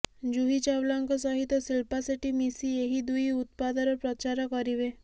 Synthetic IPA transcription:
d͡ʒuɦit͡ʃawlaŋkɔsɔɦit̪ːɔsilpasiʈimisieɦid̪ujut̪̚pad̪ɔɾɔpɾɔt͡ʃaɾɔkɔɾiβe

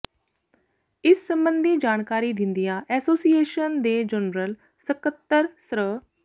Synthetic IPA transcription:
ɪsːə̃mbə̃nd̪ʱid͡ʒaːɳ̃kaːɾid̪ɪ̃nd̪ijaʔɛːsoːsieːʃənd̪eːd͡ʒənɾəl | səkət̪ːəɾsɾə

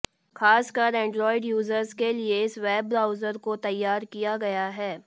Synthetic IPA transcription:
xaːskɐɾɛ̃ːɳɖɾɔːɪɖjuːzəɾzkelieɪsʋɛːb̚ɾaːʊzəɾkot̪ɐjːaːɾkijaɡɐjaɦɛː

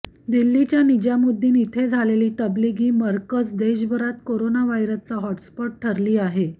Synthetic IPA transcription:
d̪ilːit͡ɕjanid͡ʑjamud̪ʱːiːnit̪ʰed͡zʱaleliːt̪əbliɡiːməɾkət͡sd̪eɕ̬bʱəɾat̪koɾonaʋajɾət͡saɦɔʈspɔʈ̚ʈʰəɾliːaɦe

